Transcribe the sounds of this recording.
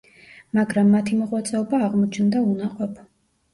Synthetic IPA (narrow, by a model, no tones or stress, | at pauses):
maɡɾamːat̪ʰimɔʁwat̪sʼɛɔbaːʁmɔt͡ʃʰnd̪aunaqʼɔpʰ